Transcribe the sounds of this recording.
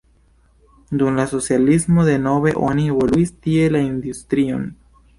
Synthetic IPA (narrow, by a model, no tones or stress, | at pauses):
d̪unlaso̞sjalismo̞d̪e̞no̞βe̞ʔo̞nieβo̞luistie̞laind̪ust̪ɾio̞̰n